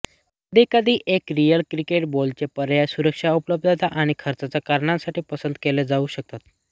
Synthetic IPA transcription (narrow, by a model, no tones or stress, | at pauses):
d̪ʱikəd̪ʱiːʔekɾijəlkɾikeʈbolt͡sepəɾjajsuɾəkʂaupləb̚d̪at̪aʔaɽ̃ikʰəɾt͡sat͡sakaɾɳãsaʈiːpəsənd̪keled͡zauɕək̚t̪at̪